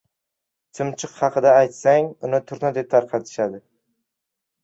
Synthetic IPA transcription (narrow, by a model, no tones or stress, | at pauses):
t̪ʰɪmt͡ʃʰɨqhɑqʰɨd̪aːjt̪saŋʊnɪt̪ʰʊɾnad̪e̞p̚t̪ʰaɾqʰɑt̪ʰɪ̥ʃad̪ɪ